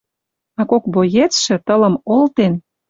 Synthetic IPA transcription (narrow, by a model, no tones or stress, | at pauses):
ɑkok̚bojet͡sʃĕt̪ə̆lə̆molt̪en